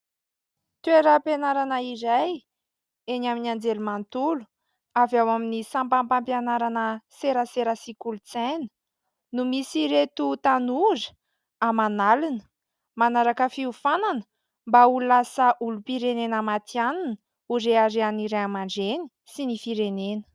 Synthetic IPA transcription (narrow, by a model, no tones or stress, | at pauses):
t̪ueɾəpenaɾanəiɾaj | enaminiand͡zelumant̪ulu̥ | avawaminisampampampjanaɾanəseɾəseɾəsikulut͡senə̥ | numisiɾet̪ut̪anuzə̥ | amanalinə̥ | manaɾakəfiufananə̥ | mbaululasəʔulupiɾenenamat̪ianin | uɾeaɾeaniɾeamaɳɖ͡ʐeni̥ | sinifiɾenenə̥